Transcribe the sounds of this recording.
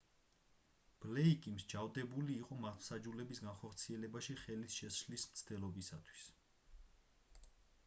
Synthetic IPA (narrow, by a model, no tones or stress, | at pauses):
b̥lɛikʼimʃd͡ʒavd̪ɛbuliːqʼɔmat̪ʰwsad͡ʒulɛbisɡanχɔɾt̪sʰiɛlɛbaʃiχɛlisʃɛʃlismt̪sʰd̪ɛlˠɔbisat̪ʰwi̥s